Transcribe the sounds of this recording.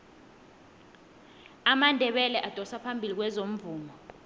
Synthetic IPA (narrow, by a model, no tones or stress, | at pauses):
amandʱɛɓɛlɛʔad̥ʱɔsapʰambʱilik̬wɛzom̩vuːmɔ